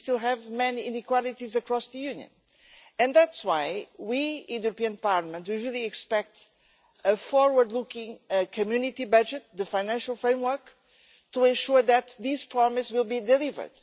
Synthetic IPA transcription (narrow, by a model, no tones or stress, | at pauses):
st̪ilˠɦɛvmɛniĩnikwalˠit̪izɨkɾɔsðɨjʉ̃njɨ̰̃n | ɨ̃nðætswaɪwiɪ̃nðijuɾəpiɨ̃npaɹləmə̃nt̪wiɹilˠiɛkspɛk̚t̪ | əfɔɹwə˞d̪lukɪ̃ŋɨkʰɨmjʉnit̪ibʌd͡ʒɨt̪̚ðɨfaɪjnæ̃nʃəlˠfɹẽɪ̃mwə˞k | tuɛ̃nʃuɹðɨt̪ðiz̥pʰɹɔmɨswilˠbid̪ɨlivə̰˞d̪̥